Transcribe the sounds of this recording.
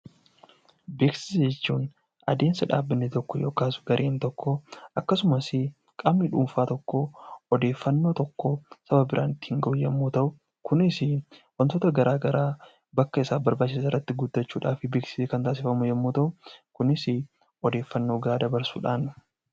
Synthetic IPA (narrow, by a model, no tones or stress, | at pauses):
beːksɪ̥sd͡ʒɛt͡ʃːuːn | ɐ̰d̪e̞ːnsɐᶑa̰ːbːɪnːet̪ɔkːɔjo̞ːkaːsʊ̥ɡɐɾʔeːnt̪ɔkːɔɐkːɐsʊmɐsɪ | kʼaːmnɪᶑuːmfaːt̪ɔkːɔɔd̪e̞ːfːɐnːo̞ːt̪ɔkːɔsɐbɐbɪɾʔaːnɪt̪ːɪ̥hɪŋɡɐʔʊjɛmːoːt̪ɐʔʊ | kʊnɪsɪwɐnt̪oːt̪ɐɡɐɾʔaːɡɐɾaː | bɐkːɐɪsaːbɐɾbaːt͡ʃːɪsaːɪrːɐt̪ːɪɡʊd̪ːɐt͡ʃːuːᶑaːfɪbe̞ːksɪ̥seːkɐnt̪aːs̬ɪfɐmʊjɛmːoːt̪ɐʔʊkʊnɪsɪ | ɔd̪e̞ːfːɐnːoːɡɐɾaːd̪ɐbɐɾsṵːᶑaːn